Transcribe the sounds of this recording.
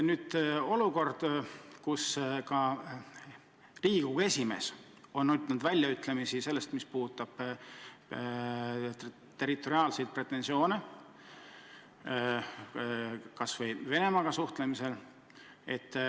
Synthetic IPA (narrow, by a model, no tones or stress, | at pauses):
nyːd̪̥o̞luko̞rd̪̥kuskɑ | riːɡ̥ue̞sʲime̞̰s | o̞nːyt̪ːˑnd̪vælʲjɑyt̪ːˑlemisise̞lːe̞st̪mispuːt̪ːˑɑb̥ | t̪e̞ɾit̪ːˑo̞ɾiɑːlsejt̪̚pre̞t̪ːˑe̞nsio̞ːne | kɑsvɤjve̞ne̞mɑɡɑsuht̪le̞mise̞l | e̞t̪ː